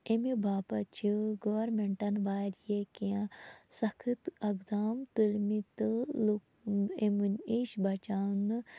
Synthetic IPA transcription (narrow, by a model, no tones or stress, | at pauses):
emibʱaːpɐt͡ʃʰiɡoʋɐɾmeɳʈɐnʋaːɾʲjekiãsɐkʰɨt̪ɐɡd̪aːmt̪ulmit̪ɨlu | emuniʃbɐt͡ʃaːnɨ